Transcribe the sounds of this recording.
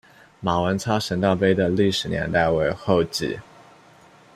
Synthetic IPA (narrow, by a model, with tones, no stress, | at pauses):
ma˨˩wə˧˥nt͡sʰa˥ʂə˧˥nt̪ɑ˥˩ʊp̬e˥ɪd̪ə˨li˥˩ʂɻ̩˨˩njɛ̰˧˥nt̪a˥˩ɪwe˧˥ɪxo˥˧ʊt͡ɕḭ˥˩˦